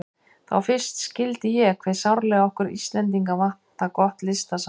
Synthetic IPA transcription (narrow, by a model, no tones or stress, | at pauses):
θa̰wfɪr̥st̪scɪlt̪ɪjɛkʰvɛːð̥sawɾlɛɣaɔhkʏɾḭst̪lɛnt̪̬iŋkavah̪akɔht̪lɪst̪as